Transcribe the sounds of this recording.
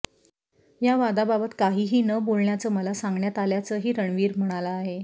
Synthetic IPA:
jaʋad̪ababət̪kaɦiːɦiːnəbolɳjat͡səːməlasaŋɡɳjat̪aljat͡səɦiːɾəɳʋiːɾm̤əɽ̃alaːɦe

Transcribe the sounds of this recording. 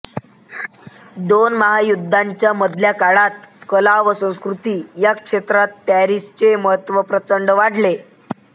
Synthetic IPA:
d̪onməɦajud̪ʱːaɲt͡ɕjaməd̪ʱljakaɭat̪kəlaʋəsə̃w̃skɾut̪iːjakʂet̪ɾat̪ːaɾist͡ɕeməɦət̪ʋəpɾət͡səɳɖʋaɽ̤le

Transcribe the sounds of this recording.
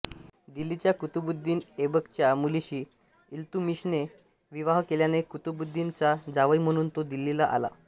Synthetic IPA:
d̪ilːit͡ɕjakut̪ubud̪ʱːiːnebəkt͡ɕjamuliɕiː | ilt̪umiɕne | ʋiʋaɦkeljanekut̪ubud̪ʱːint͡sad͡zaʋəim̤əɽ̃uːnt̪od̪ilːilaʔa̰la̰

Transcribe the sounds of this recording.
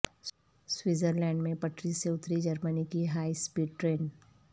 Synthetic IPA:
swɪzəɾlɛ̃ːɳɖmẽpɐʈʰɾiseʊt̪ɾid͡ʒɐɾmənikiɦaːispiːɖʈɾeːn

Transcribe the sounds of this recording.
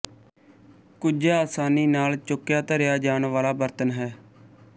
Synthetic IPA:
kʊd͡ʒaaːsaːniːnaːlt͡ʃʊkːjaːt̪əɾɪjaːd͡ʒaːɳʋaːlaːbəɾt̪ənɦɛː

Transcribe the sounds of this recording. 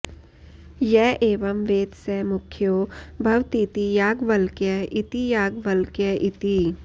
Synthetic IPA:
jɛʔeːʋɐmʋeːd̪semʊkʰjoːbʱɐʋt̪it̪ijaːɡʋɐlkjɛɪt̪ijaːɡʋɐlkjəʔɪt̪i

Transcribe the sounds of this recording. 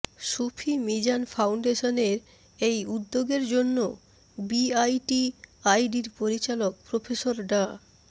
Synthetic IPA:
ʃupʰimid͡ʑanfawɳɖeʃoneɾ | ejud̪ːoɡeɾd͡ʑonːo | biajʈiajɖiɾpoɾit͡ɕalok̚pɾofʰeʃoɾɖa

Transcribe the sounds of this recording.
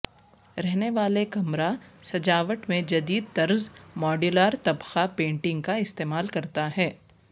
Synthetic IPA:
ɾɛɦneʋaːlekɐmɾasɐd͡ʒaːʋəʈmẽd͡ʒɐd̪iːd̪̚t̪ɐɾzmɔːɖɪlaːɾt̪ɐbxapẽːɳʈɪ̃ŋɡkaɪst̪eːmaːlkɐɾt̪aɦɛː

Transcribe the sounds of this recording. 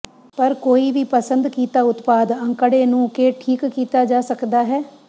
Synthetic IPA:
pəɾkoːiːʋiːpəsənd̪kiːt̪aːʊt̪paːd̪ə̃ŋkəɽeːnũːkeːʈʰiːkkiːt̪aːd͡ʒaːsəkd̪aːɦɛː

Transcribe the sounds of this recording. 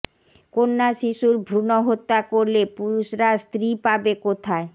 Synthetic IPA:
konːaʃiʃuɾbʱɾunoɦot̪ːakoɾlepuɾuʃɾast̪ɾipabekot̪ʰae

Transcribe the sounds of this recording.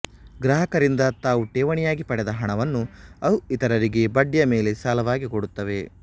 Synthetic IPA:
ɡɾɐɦɐkɐɾind̪ɐt̪aːʋuʈeːʋɐɳijaːɡipɐɽɛd̪ɐɦɐɳɐʋɐnːuɐwuit̪ɐɾɐɾiɡe̞bɐɖjɐme̞ːle̞saːlɐʋaːɡikoɽut̪ːɐʋe̞

